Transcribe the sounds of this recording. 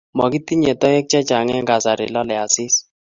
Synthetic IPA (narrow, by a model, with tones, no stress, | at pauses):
mɔ˨ki˦ti˦ɲɛ˨tɔ˦ɛ˦k̚t͡ʃɛ˦t͡ʃa˨ŋɛ˦ŋɡa˨sa˨ɾɪ̰˨lɔ˦lɛ˨a˨sɪ˦s